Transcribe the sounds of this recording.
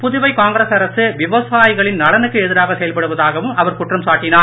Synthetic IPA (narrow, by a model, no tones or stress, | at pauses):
pʊðʊʋɐɪkaːŋɡɾeːsɐɾɐsɯʋɪʋɐsaːjɪɣɐɭɪnnɐɽɐnɯkːɯɛðɪɾaːɣɐsɛjɐlpɐɽɯʋɐðaːɣɐʋɯmɐʋɐɾkʊʈrɐmsaːʈːɪnaː